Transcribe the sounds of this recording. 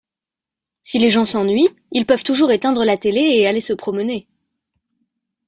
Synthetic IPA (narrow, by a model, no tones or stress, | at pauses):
sileʒɑ̃sɑ̃nɥi | ilpœv̥t̪uʒuʁet̪ɛ̃d̪ʁəlat̪eleːalesəpχɔməne